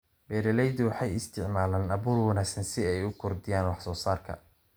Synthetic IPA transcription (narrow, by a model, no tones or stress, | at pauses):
bɛːɾɛlɛjd̪ɪwɑħɑjɪst̪ʰɪʕmaːlaːnɐβuːrwɑnaːɡsɐnsɪɛjʊkʰɔrd̪ɪjaːnwɑħsɔːsaːrkʰɐ̰